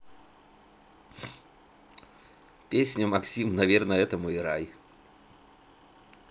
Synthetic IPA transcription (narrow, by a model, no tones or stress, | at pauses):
pʲesʲnʲʊmɐksʲimnɐvʲernəɛt̪əmʊɪɾaj